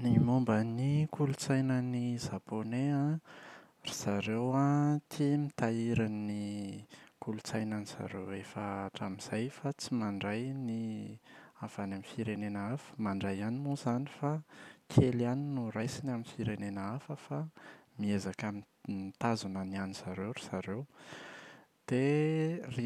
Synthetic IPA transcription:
nimombənikulut͡sajnənizaponeã | riz̥aɾewat̪ʰimit̪aiɾani | kulut͡sajnaniz̥a̰ɾewefəaʈ͡ʂamiz̥ajfat͡simaɳɖ͡ʐajni | av̥anamifiɾenenəafə̥maɳɖ͡ʐajanimozanifakʰelianinurajsinaminfiɾenenəafəfamiezakami | mt̪azunənianiz̥aɾewɾizaɾew | d̪̥eri

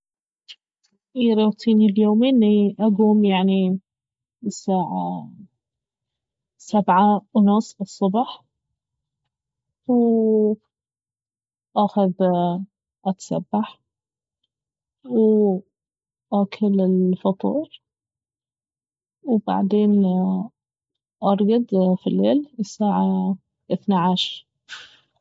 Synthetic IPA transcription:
jɾut̪ʰˤiːniljoːmɪnːiʔaɡuːmjaʕni | saːʕa | sabʕaʔʊnʊsˤɨsˤːʊbɑħ | w | ʔaxað | ʔat̪ḁsa̰bːaħ | w | ʔakʰʊlɪlfɑt̪ˤṵːɾ | wba̰ʕd̪eːn | ʔɑɾˤɡɑd̪ˤfilːeːlɪsaːʕa | ʔɪθnaʕaʃɾˤ

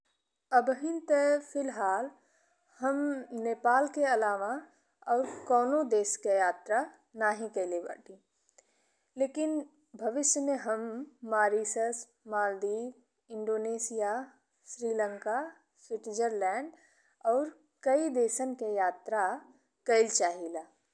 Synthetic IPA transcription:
əbʱɦɪnt̪əpʰɪlɦaːl | həmneːpaːlkeɐlaːʋa | ɔːɾkɔːnõd̪eːskejaːt̪ɾa | naːɦĩkɐleba̰ːʈi | leːkɪn | bʱɐʋɪʃjəmẽɦəmːaːɾiːsəs | maːld̪iːʋ | ɪ̃ɳɖoːneːsija | sɾiːlə̃ŋka | swɪʈd͡ʒəɾlɛ̃ːɳɖ | ɔːɾ | kɐid̪eːsənkejaːt̪ɾa | kəɪlt͡ʃaːɦilaː

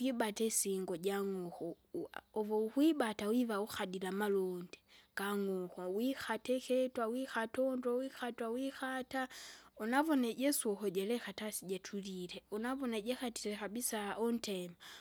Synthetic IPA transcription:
wibatesiŋɡoɟaŋoxoovohwibatawiβauxadilamalondeɡ̥aŋoxowixatexetwawixatondowixatwawixataunavoneɟeswohoɟelexatasiɟetʰulileunavoneɟexatiɾexabisaontema

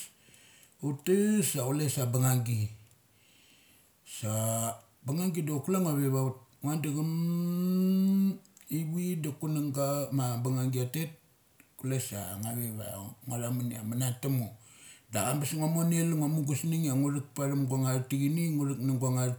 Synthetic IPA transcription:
utasaulesabaŋaŋɡi | sa | baŋaŋɡidokulaŋaβeβaut̚ŋandiɡam | iβidakunaŋɡamabaŋaŋɡiatet̚ | kulesa̰ŋaβeβa̰ŋaɾamana̰manatamo | da̰ɡambasŋamonelŋamuɡusniŋaŋuɾik̚paɾamɡwaŋaɾtiɡiniŋuɾik̚naŋɡwaŋaɾ

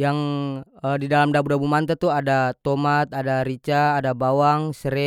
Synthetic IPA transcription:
jaŋədidalamdabudabumant̪at̪uadat̪omat̪̚adaɾit͡ʃaːdabawaŋsəɾɛ

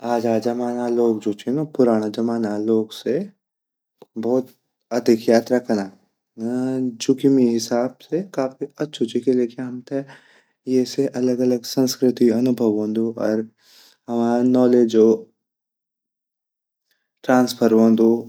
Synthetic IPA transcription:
aːd͡ʒaːd͡ʒɐmaːnaloːk̚d͡ʒoːt͡ʃinopʊɾaːñad͡ʒɐmaːnaloːɡse | bɔːʊt̪ | ɐd̪ʱɪkjaːt̪ɾakʰnaː | d͡ʒʊkimiɦɪsaːbsekaːfiɐtːʃʰʊt͡ʃikelekʰeɦɐmt̪ʰe | jeseʔɐləɡɐləɡsɐ̃nskɾɪt̪iɐnʊbʱəʋõːnd̪uɔːɾ | ɦɐmaːanɔːled͡ʒoː | ʈɾãːnspʰəɾɦõːnd̪u

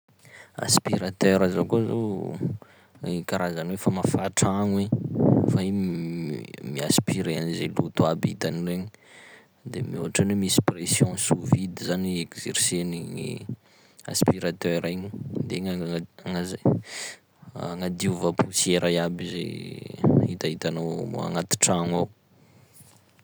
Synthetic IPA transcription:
a̰spiɾat̪øɾazokozo̰ | ikaɾazanwefamafaʈ͡ʂaŋwefai | miaspiɾeanizelut̪uabḭt̪anileɲi | d̪emiuɦaʈ͡ʂanemisi̥presjɔ̃suvid̪izaniekz̥ḛɾseniŋḭ | a̰spiɾat̪øɾaɲid̪eŋaŋa | ŋad̪iuvapusieɾʔajabizḛ | hit̪ait̪anowmṵa̰ŋat̪i̥ʈ͡ʂaŋaw

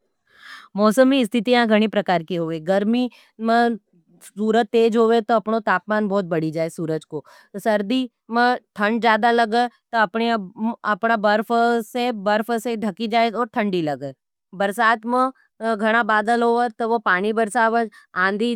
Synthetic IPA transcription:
mɔːsəmiɪst̪ʰɪt̪ijãɡʱɐɽ̃ipɾɐkaːɾkiɦoːeɡɐɾmi | mẽ | suːɾəd̪̚t̪eːd͡ʒɦoːʋet̪oɐpɳot̪aːpmaːnbɔːt̪̚bɐɽid͡ʒaːesuːɾəd͡ʒko | sɐɾd̪i | mẽʈ̪ʰɐ̃ɳɖd͡ʒjaːd̪alɐɡət̪oɐpɳeɐpɳabɐɾpʰsebɐɾpʰseɖʱɐkid͡ʒaːeɔːɾt̪ʰɐ̃ɳɖilɐɡə | bɐɾsaːt̪mẽ | ɡʱɐɽ̃abaːd̪əlɦoːʋət̪oʋopaːɽ̃ibɐɾsaːʋəãːnd̪ʱi

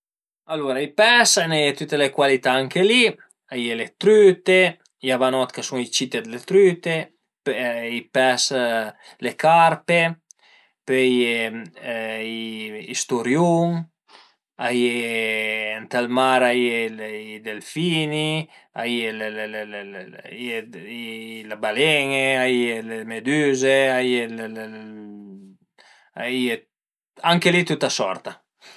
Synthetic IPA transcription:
alːuɾaipɛsenɛt̪yt̪elekwalit̪aaŋkeli | ajelet̪ɾyt̪e | javanɔt̪kasuŋit͡ʃit̪ed̪elet̪ɾyt̪e | ipɛs | lekaɾpe | pɛje | iist̪uɾjuŋ | ajeː | nt̪almaɾaielid̪elfinia̰ielelel | je | labaleŋeajelemed̪yzeajel | aie | aŋkelit̪ut̪asɔ̰ɾt̪a

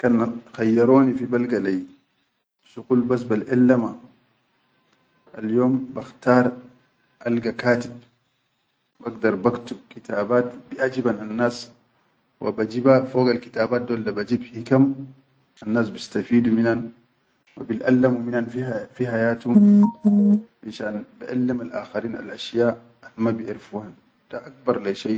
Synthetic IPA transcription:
kanaxajːaɾoːnifibalɡalaj | sukuːlbas̬balʔɛlːama | ʔaljoːmbaxt̪aːɾˤ | ʔalɡakaːt̪ib̚ | baɡd̪ɑɾˤbakt̪ukit̪aːbaːt̪biʔad͡ʒibananːaːs | wʔa̰bad͡ʒibafoːɡalkit̪aːbaːt̪̚d̪oːlːabad͡ʒibhikam | ʔanːaːsbist̪afiːd̪uminan | wa̰bilʔa̰lːamuminanfifihajaːt̪hu | ʔaʃaːnbiʔalːimalʔa̰ːxaɾiːna̰lʔaʃjaː | mabiʔiɾfuhan | d̥aʔak̚bɑɾˤlaʃaj

